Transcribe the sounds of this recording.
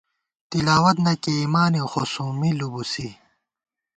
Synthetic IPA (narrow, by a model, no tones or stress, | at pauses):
t̪ilaːwɐt̪nɐkiːmaːnixosumilubusi